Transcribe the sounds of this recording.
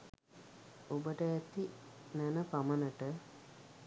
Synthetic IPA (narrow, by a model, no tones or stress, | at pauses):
ubɐʈɐet̪ːinɐnɐpɐmɐnɐʈə